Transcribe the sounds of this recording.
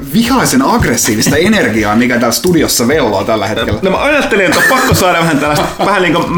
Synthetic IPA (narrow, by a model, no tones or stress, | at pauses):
ʋihɑisenɑɡresːiːʋist̪ɑenerɡiɑːmikæt̪æːlst̪udiosːɑʋelːo̰ːt̪ælːæ̰het̪kelːænom̰ʔɑjɑt̪ːelinet̪opɑkːosɑːɾɑʋæhænt̪ælːæst̪ʋæhæniːŋkom